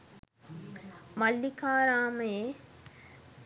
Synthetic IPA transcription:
mɐlːikʰaːɾaːməje

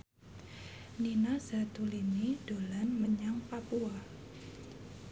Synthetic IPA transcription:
ninaz̥a̤t̪ulimid̥olanməɲaŋpapua

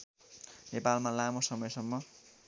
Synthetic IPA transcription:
nepalmalamosʌmʌjsʌmːʌ

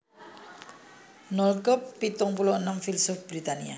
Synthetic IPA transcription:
nɔlkəpːit̪ɔŋpuloənəmfilsɔfb̥ɾit̪ania

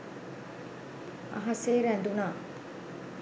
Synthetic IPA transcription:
ɐ̰ɦɐseːɾænd̪unaː

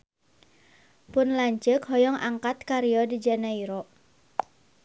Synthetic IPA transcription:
pʊnlaɲt͡ʃəkɦɔjɔŋʔaŋkat̪̚kaɾijɔdid͡ʒanaiɾɔʔ

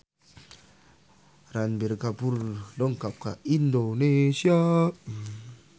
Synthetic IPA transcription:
ɾanbeɾkapuɾdɔŋkap̚ka̰ʔindonesia

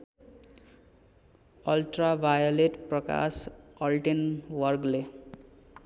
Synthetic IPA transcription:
ʌlʈrabʱajoleʈprʌka̰sʌlʈenwʌrkle

